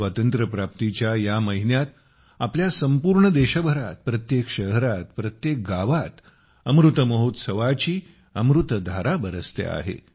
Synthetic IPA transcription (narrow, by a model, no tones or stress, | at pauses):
ʋat̪ənt̪ɾəpɾap̚t̪it͡ɕjajaməɦinjat̪ | apljasəmpuɾɳəd̪eɕəbʱəɾa̰t̪̚pɾət̪jekʃəɦɾat̪pɾət̪jek̚ɡaʋat̪ | əmɾut̪əməɦot̪səʋat͡ɕiː | əmɾut̪d̪ʱaɾabəɾəst̪ḛa̰ɦḛ